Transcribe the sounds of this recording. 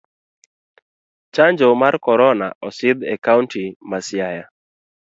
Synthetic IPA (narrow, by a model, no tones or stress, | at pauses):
t͡ʃaɲd͡ʒɔmarkɔɾɔna̰ɔsɪd̪ɛkauntimasjaja